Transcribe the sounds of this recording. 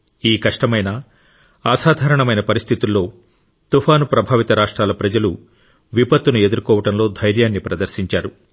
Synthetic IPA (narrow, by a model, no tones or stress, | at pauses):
iːkɐʂʈɐmɐjnɐ | aːsaːd̪ʱaːɾɐɳɐmɐjnɐpɐɾist̪ʰit̪ulːo̞ː | t̪upʰaːnupɾɐbʱaːʋit̪ɐɾaːʂʈɾaːlɐpɾɐd͡ʒɐlu | ʋipɐt̪ːunue̞d̪uɾkɔːʋɐʈɐmlo̞ːd̪ʱɐjɾjaːnːipɾɐd̪ɐɾʃiɲt͡ʃaːɾu